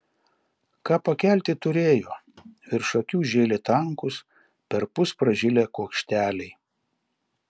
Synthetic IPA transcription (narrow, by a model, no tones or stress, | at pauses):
kɑːpɐkʲæˑlʲt̪ʲɪt̪ʊɾʲeːjoː | ʋɪɾʃɐkʲuːʒʲeːlʲɪt̪ɐŋkʊs | pʲɛɾpʊspɾɐʒʲɪlʲeːkuɔkʃʲt̪ʲæːlʲɛɪ